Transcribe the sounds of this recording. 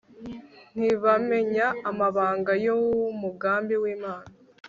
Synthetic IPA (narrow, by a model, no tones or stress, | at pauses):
n̥iβame̞ɲaːmaβaːŋɡajowmuɡaːmbiwiːmaːna